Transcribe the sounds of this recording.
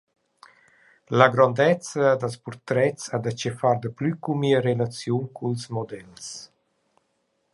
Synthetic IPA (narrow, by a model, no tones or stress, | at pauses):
laɡɾɔnd̪ɛt͡səd̪əlspuɾt̪ɾɛtt͡sad̪at͡ʃɛfaɾd̪əplykumiəɾelat͡sjuŋkʰulsmɔd̪ɛls